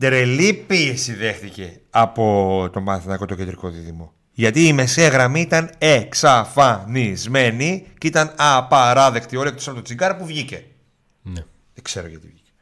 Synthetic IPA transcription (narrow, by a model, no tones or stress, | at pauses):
t̪eɾelipiesiðe̞xt̪ice̞ | ɐpo̞t̪o̞bɐθinɐkot̪ocend̪ɾiko̞ðiðimo̞ | ʝɐt̪iːme̞seɣɾɐmiit̪ɐne̞ksɐfɐnizme̞nicit̪ɐnɐpɐɾɐðe̞kt̪io̞liekt̪osɐpot̪ot͡siɡɐɾɐpuvʝice̞ | ne | ðekse̞ɾo̰ʝɐt̪ḭvʝice